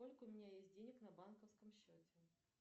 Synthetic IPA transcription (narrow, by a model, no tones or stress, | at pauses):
o̞lʲkəʊmʲɪnʲajesʲt̚ʲdʲenʲɪknɐbankəfskəmɕːotʲɪ